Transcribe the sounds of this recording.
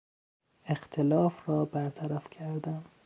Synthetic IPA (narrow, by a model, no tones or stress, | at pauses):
ext̪ʰelɒːfɾɒːbæɾt̪ʰæɾæfcʲʰæɾd̪æm